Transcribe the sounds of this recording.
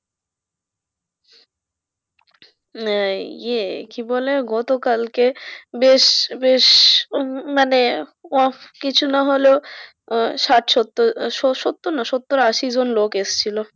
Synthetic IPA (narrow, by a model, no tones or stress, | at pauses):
jekiboleɡɔt̪okalkebeʃbeʃ | maneɔkit͡ɕʰunaɦolo | ʃaʈʃot̪ːoʃoʃot̪ːoɾnaʃot̪ːoɾaʃid͡ʑonlokest͡ɕʰilo